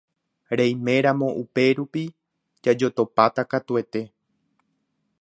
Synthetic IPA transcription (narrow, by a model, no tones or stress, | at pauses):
ɾejmẽ̞ɾamõ̞ʔupe̞ɾupi | d͡ʒad͡ʒo̞t̪o̞pat̪akat̪ue̞t̪e̞